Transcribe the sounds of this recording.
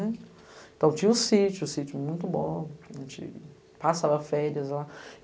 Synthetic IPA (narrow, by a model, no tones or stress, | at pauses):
ɛ | ẽt̪ɐ̃w̃t͡ʃĩɲɐʊsit͡ʃʊːsit͡ʃʊmũj̃t̪ʊbõʒẽt͡ʃɪ̰ | pasavɐfɛɾiɐzla